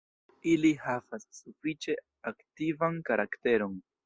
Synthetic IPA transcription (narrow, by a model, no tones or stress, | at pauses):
ilihavasːufit͡ʃe̞ | aktivankaɾakte̞ɾo̞n